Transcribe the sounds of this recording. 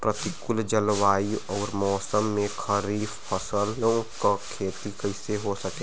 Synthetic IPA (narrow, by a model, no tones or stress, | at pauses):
pɾɐt̪ɪkʊld͡ʒəlwaːiɔːɾmɔːsəmːẽkʰɐɾiːffɐsəlõkakʰeːt̪ikɐɪseɦosɐkẽ